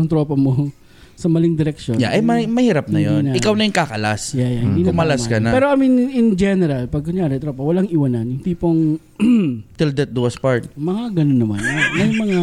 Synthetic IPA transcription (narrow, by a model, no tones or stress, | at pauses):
ɐŋt̪ɾopɐmo | sɐmɐlɪŋd̪ɪɾɛkʃoja̰ʔɐjmɐmɐhiːɾap̚nɐjodiːnnɐɪkawnɐjŋkakɐla̰sjajahɪniːk̪ɐʊmɐlasmkɐnɐpɛːɾo̞ʔɐminɪnd͡ʒɛnɛɾɐlpɐɡ̚kʊɲjaːɾɛt̪ɾopɐwɐlaŋɪwɐnɐnʊnt̪iːpoŋ | t̪ɪld̪ɐt̪̚d̪uspaɹt̪mɐŋaɡɐnonːɐma̰nːɐnɐŋmɐŋa